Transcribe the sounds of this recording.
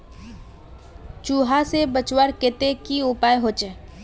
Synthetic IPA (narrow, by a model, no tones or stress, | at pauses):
t͡ʃuːɦasebət͡ʃwəɾket̪ekiʊpaːjɦoːt͡ʃe